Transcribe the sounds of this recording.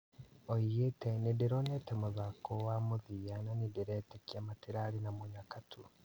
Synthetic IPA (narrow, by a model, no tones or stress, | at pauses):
oijetenidiɾonetemozakowamuðijananidiɾetekiamatiɾalinamoɲakatʰu